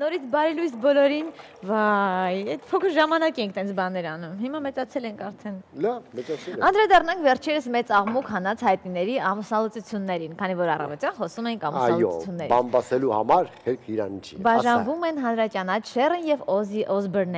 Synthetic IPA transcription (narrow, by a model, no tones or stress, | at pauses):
nɔɾit͡sʰbɑɾɛlujsbɔlɔɾin | vɑjɛt̪pʰɔkʰəɾʒɑmɑnɑkɛŋkʰt̪ɛnt͡sʰbɑnɛɾɑnumhimɑmɛt͡sɑt͡sʰɛlɛŋkʰɑɾt̪ʰɛnlɑvmɛt͡sɑt͡sʰɛɑnd̪ɾɑd̪ɑrnɑŋkʰvɛɾt͡ʃʰɛɾəsmɛt͡sɑʁmukʰhɑnɑt͡sʰhɑjt̪̚ninɛɾiɑmusnɑlut͡sut͡sʰjunːɛɾinkʰɑnivɔɾɑrɑ̰vɔt̪jɑnχɔsumɛiŋkʰɑmusɑljɔut͡sʰjunːɛɾiɑnbɑsɛluhɑ̰mɑɾhɛɾkʰiɾɑ̰nit͡ʃʰḭbɑʒɑnvumɛnɦɑnɾɑt͡ʃjɑnɑt͡ʃʰʃɛrənjɛvɔziʔɔzbəɾnɛ